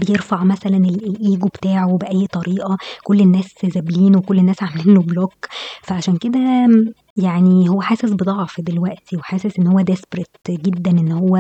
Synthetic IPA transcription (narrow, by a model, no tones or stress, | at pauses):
bejeɾfaʕmæsælænelʔlʔiːɡubt̪aːʕowbeʔæjːt̪ˤɑɾiːʔɑkolːenːæːszæbliːnwekolːenːæːsʕameliːnoblokfæʕaʃæːnked̪æ | jaʕnihowːæħaːsesbed̪ˤɑʕfd̪elwæʔt̪ʰiweħaːsesʔenːhowːæd̪espɾet̪ɡed̪ːænʔenːhowːæ